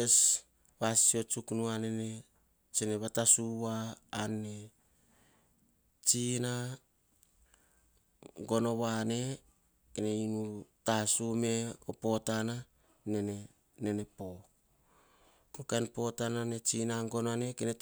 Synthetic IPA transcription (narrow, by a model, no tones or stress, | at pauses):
es | βasio̞t͡ʃuknuanene | t͡ʃene̞βatasuwaːnːe̞ | t͡ʃina | ŋɡo̞no̞βane̞ | kene̞inutasume̞opo̞tana | nene | ne̞ne̞po̞ | kokenpo̞tanane̞t͡ʃinaŋɡo̞noane̞kenet